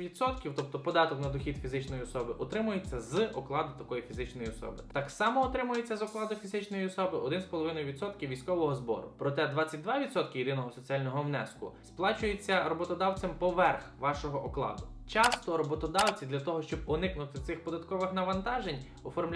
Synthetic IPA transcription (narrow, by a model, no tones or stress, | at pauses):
ʋʲid̪sɔt̪kʲiwt̪ɔp̚t̪ɔpɔd̪ɑt̪ɔknɐd̪ɔxʲid̪fʲizɪt͡ʃnɔjiɔsɔbɪʔɔt̪ɾɪmʊjet͡sʲːɐzɔklˠɑd̪ʊt̪ɐkɔjifʲizɪt͡ʃnɔjiɔsɔ̰bɪt̪ɑksɑmɔːt̪ɾɪmʊjet͡sʲːɐzɔklˠɑd̪ʊfʲizɪt͡ʃnɔjiɔsɔbɪʔɔd̪ɪnspɔlˠɔʋɪnɔjʊʋʲid̪sɔt̪kʲiwʋʲijsʲkɔʋɔɦɔzbɔ̰ɾʊ̰pɾɔt̪ɛd̪ʋɑt͡sʲːɐt̪̚ʲd̪ʋɑʋʲid̪sɔt̪kʲɪiɾɪnɔɦɔsɔt͡sʲialʲnɔɦɔwnɛ̰skʊ̰splˠɑt͡ʃʊjet͡sʲːɐɾɔbɔt̪ɔd̪ɑwt͡sʲɛmpɔʋɛrxʋɑʃɔɦɔʔɔklˠɑ̰d̪ʊt͡ʃɑst̪ɔɾɔbɔt̪ɔd̪ɑwt͡sʲid̪lʲɐt̪ɔɦɔʃt͡ʃɔb̚ɔnɪknʊt̪ɪt̪sɪxpɔd̪ɐt̪kɔʋɪxnɐʋɐnt̪ɑʒenʲ | ɔfɔrmlʲ